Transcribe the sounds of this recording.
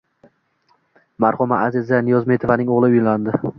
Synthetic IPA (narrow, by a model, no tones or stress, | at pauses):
maɾχʊmaazɪzanɪjɒzmet̪ʰɪvanɪŋoʁlˠɪʊjland̪ɪ